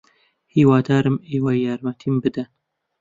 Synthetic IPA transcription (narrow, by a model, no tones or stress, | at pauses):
hiːwɑːd̪ɑːɾɨmeːwɑjɑːɾmɛt̪ʰiːmbɨd̪ɛn